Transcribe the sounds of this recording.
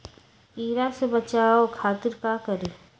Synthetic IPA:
iːɾasebɐt͡ʃaːokʰaːt̪ɪɾkakɐɾeː

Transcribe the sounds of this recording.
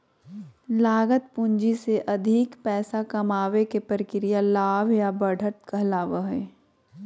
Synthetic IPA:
laːɡət̪̚pʊ̃ɲd͡ʒiseʔɐd̪ʱikpɛːsakɐmaːʋekepəɾɪkɪɾijalaːʋjabəɽʱət̪̚kəɦlaːʋəɦɛː

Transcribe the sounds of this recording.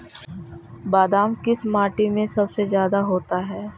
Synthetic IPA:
baːd̪aːmkɪsmaːʈimẽsɐbsezjaːd̪aɦoːt̪aɦɛː

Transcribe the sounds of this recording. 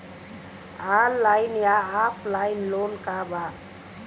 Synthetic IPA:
alːajnjaːpʰlajnlonkaba

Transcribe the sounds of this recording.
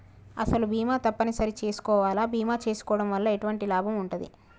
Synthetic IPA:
ɐ̰sɐlubʱiːmaːt̪ɐpːɐnisɐɾit͡ʃe̞ːsu̥kɔːʋaːlaːbiːmaːt͡ʃe̞ːsu̥kɔːʋɐɽɐmʋɐlːɐeʈuʋɐɳʈilaːbʱɐmuɳʈud̪ḭ

